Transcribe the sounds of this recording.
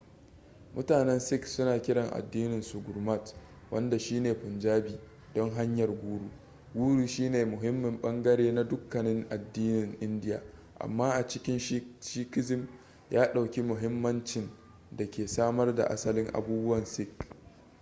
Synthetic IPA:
mʊ˦taː˨nɛ˦nsɪ˦ksʊ˦naː˨kʲɪ˦ɽɐ˨ŋʔa̰˨dːiː˦nɪ˨nsʊ˨ɡʊ˨rma˦˨t | wʔɐ̰˦nda˨ʃiː˦neː˨ɸʊ˨nd͡ʒaː˦biː˨ | dɔ˦ŋɦa˦ɲjɐ˨rɡʷuː˦ɽuː˨ | ɡʷuː˦ɽu˨ʃiː˦neː˨mʊ˨ɦɪ˦mːɪ˨mɓɐ˦ŋɡɐ˦ɽeː˦na˦dʊ˦kːɐ˨nɪ˦ŋʔa˨dːiː˦nɪ˨ŋʔɪ˦ndɪ˦ja̰ː˨ | ʔa̰˨mːaː˦ʔa˨t͡ʃɪ˦kʲɪ˦nʃʃiː˦kɪ˦zɪ˦m | jaː˦ɗa˨wkʲi˦mʊ˨ɦɪ˦mːɐ˦nt͡ʃɪ˨n | da˨kʲeː˨saː˦mɐ˦rda̰˨ʔa̰˦sɐ˦lɪ˦ŋʔa̰˨buː˦bʊ˦wɐ˨nsɪ˦˨k

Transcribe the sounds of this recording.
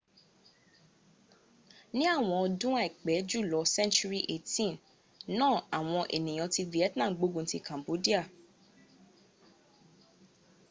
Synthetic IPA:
nĩ˦a˦˨w̃ɔ̃˧ɔ˧dũ˦a˦˨i˨k͡pɛ˨˦d͡ʒu˦˨lɔ˨˧˦sɛ̃˦nt͡ʃu˦ɾi˦ʔe˦˨tĩ˦˨n | nãː˦˨a˨w̃ɔ̃˧ʔḛ˨nĩ˨j̃ɔ̃˨˧ti˧vi˨ɛ˦tnã˦˨˦ɡ͡bo˨˦ɡũ˦˨˦ti˧kã˨mbo˨˦di˦a˦˨

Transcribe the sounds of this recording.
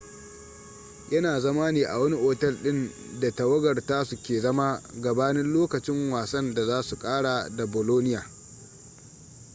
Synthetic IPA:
jɐ˦naː˨zɐ˦maː˦niː˨ʔa̰˨wɐ˦ni˦ʔoː˨tɐ˦lɗɪ˦n | da˨tɐ˨wɐ˦ɡɐ˨rta˦su˨kʲeː˨zɐ˦ma˦ɡɐ˨baː˦nɪ˦nloː˦kɐ˨t͡ʃɪ˦ŋwaː˨sɐ˦nda˨zaː˦su˨kʼaː˦ɽa˨da˨boː˨loː˦nɪ˦jaː˨

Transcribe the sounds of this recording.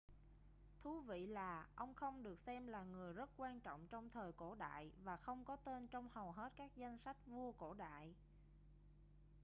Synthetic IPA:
t̪ʰu˨˦vḭ˧˨laː˨˩ʔə˧wŋ͡mxə˧wŋ͡mɗɨ˨˩ək̚sɛ˧mlaː˨˩ŋɨ˨˩əjzə˦˥t̚kwaː˧nt͡ɕɔ̰˧˨wŋ͡mt͡ɕɔ˧wŋ͡mt̪ʰəː˨˩jko̰˧˩ɗa̰ː˧˨jvaː˨˩xə˧wŋ͡mkɔ˨˦t̪e˧nt͡ɕɔ˧wŋ͡mhə˨˩wɦe˦˥t̚kaː˦˥k̚za˧jŋ̟sa˦˥jk̟̚vu˧əko̰˧˩ɗa̰ː˧˨j

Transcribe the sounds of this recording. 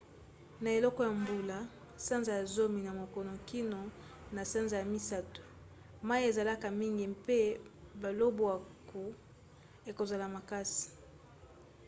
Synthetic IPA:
na˨e˨lɔ˦kɔ˦ja˨mbu˨la˨ | sa˦nza˨ja˨zo˦mi˨na˨mo˨kɔ˨no˨ki˦no˨ | na˨sa˦nza˨ja˨mi˦sa˦to̥˨ | ma˦i˦e˨za˨la˦ka˨mi˦ŋɡi˨pe˦ba˨lo˦bo˨a˨ku˨ | e˨ko˨za˨la˨ma˨ka˦si̥˨

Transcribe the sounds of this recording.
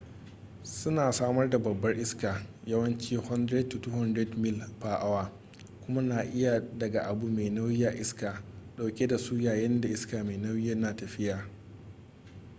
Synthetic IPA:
sʊ˦naː˨saː˦mɐ˦rda˨bɐ˨bːɐ˦rʔɪ˦skaː˨ | jɐ˦wɐ˦nt͡ʃiː˦hɔ˦ndɾe˦tːu˨tuː˦hɔ˦ndɾɛ˦dmɪ˦lɸaː˨ʔa˦waː˨ | kʷʊ˦ma˦naː˨ʔɪ˦ja˨dɐ˨ɡa˨ʔa˨bu˨meː˨nɐ˦wjɪ˦ja˨ʔɪ˦skaː˨ɗa˨wkʲe˦da˨su˦jaː˨jɛ˦nda˨ʔɪ˦skaː˨meː˨nɐ˦wɪ˦jɐ˦nːaː˨tɐ˨ɸɪ˦jaː˨

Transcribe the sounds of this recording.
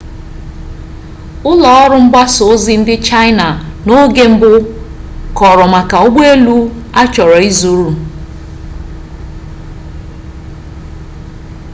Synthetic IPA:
ʊ˦lɔ˨ɔ˦ɾʊ˦m̩˦ɡ͡ba˦so˨˦zi˦n̩˦dɪ˦t͡ʃa˦ɪ˦na˨no˦ɡe˦m̩˦bʊ˦ | kɔ˨ɾɔ˨ma˨ka˨ʊ˦ɡ͡be˦lu˦a˦t͡ʃɔ˨ɾɔ˨i˦zu˨ɾu˨

